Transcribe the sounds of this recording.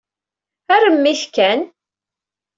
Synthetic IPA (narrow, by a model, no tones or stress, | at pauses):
ærəmːiθkæn